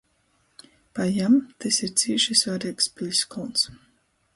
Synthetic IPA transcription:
pajamt̪ɛsiɾt̪siːiʃisvaɾikspilʲskɔns

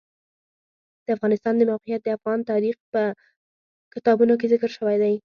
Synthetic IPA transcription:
d̪̥əafɣɑnɪst̪ɑnd̪əmawqijat̪̚d̪əafɣɑnt̪ɑɾixpə | kɪt̪ɑbunok̬ezɪkɾʃəwajd̪aj

